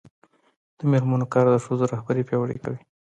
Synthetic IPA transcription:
d̪̥əmelmanokɑɾd̪əʂozoɾahbaɾipjɑwɽḛkawi

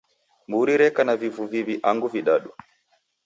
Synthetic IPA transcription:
mbuɾiɾɛkanavivuviviʔaŋɡuviɗaɗu

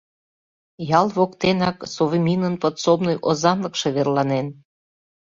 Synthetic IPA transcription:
jɑlˠβokt̪enɑksovimʲinənpə̆t̪somnojʔozɑnlə̆kʃeβerlɑnen

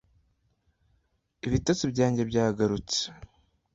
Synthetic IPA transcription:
iβitat͡sibɟaːɲɟebɟaːɡaɾut͡se̥

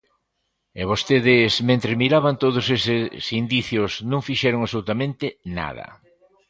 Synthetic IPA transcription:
eβost̪eðɪsmẽnt̪ɾemiɾaβant̪oðʊsesɪsind̪iθjʊsnõŋfiʃɛɾʊŋasolut̪amẽnt̪ɪna̰ðɐ̰

